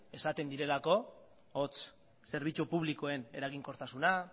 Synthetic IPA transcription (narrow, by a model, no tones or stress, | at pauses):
e̞sat̪e̞nd̪iɾe̞lako̞ | ot͡s | se̞ɾβ̞it͡ʃupuβ̞liko̞e̞ne̞ɾaɣiŋko̞ɾt̪asuna